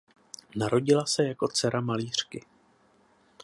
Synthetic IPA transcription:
naɾo̞ɟɪlasɛjako̞t͡sɛɾamaliːr̝̥kɪ

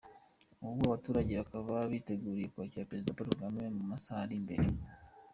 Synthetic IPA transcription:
uβuβwaβatuːɾaɟe̞βakaβaβiːte̞ɡuːɾijekuaciapeɾe̞zidapaɾuɡamiemuumasaɾimbe̞̰ɾe

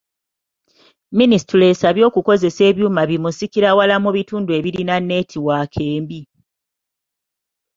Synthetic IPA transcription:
minisi̥tule̞saβjo̞ːkuko̞ze̞se̞ːβjuːmaβimusikiɾawalamuβituːndue̞βiɾinanːe̞ːtʰiwakʰeːmbi

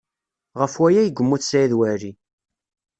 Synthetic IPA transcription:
ʁəfwæjæjəɡʷːəmːuθsæiðwæɾi

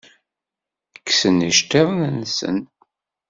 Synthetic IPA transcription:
kːsəniʃt̪eðˤnənsə̰n

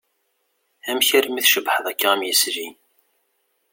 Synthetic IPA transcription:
æmçæɾmiθʃəbħəðˤækːaæmjəsɾi

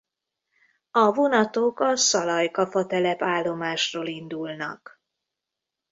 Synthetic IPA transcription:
ɒvonɒt̪oːkɒsɒlɒjkɒfɒt̪ɛlɛpaːlːo̞maːʃroːlind̪ulnɒ̰k

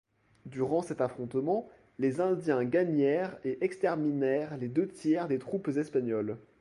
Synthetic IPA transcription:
d̪yʁɑ̃sɛt̪afχɔ̃t̪mɑ̃ | lezɛ̃d̪jɛ̃ɡaɲɛʁeʔɛkst̪ɛʁminɛʁled̪øt̪jɛʁd̪et̪χupzɛspaɲɔl

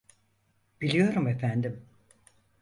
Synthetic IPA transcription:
b̥ilʲijo̞ɾumefænd̪im

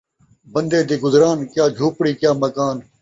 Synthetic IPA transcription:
bənd̪eːd̪iːɡʊzɾaːnkjaːd͡ʒʱuːpɽiːkjaːmɐkaːn

